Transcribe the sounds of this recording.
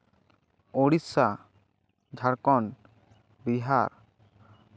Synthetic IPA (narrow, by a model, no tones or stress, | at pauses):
oɽisa | d͡ʒʱaɾkɔn | biɦaɾ